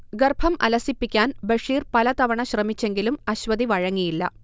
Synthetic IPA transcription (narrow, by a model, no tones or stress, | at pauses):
ɡɐrbʱɐmʔɐ̰lɐsipːikʲːaːnbɐʂiːrpɐlɐt̪ɐʋɐɳɐɕrɐmit͡ɕːe̞ŋɡilumɐɕʋɐd̪iʋɐɻɐŋːijilːɐ̰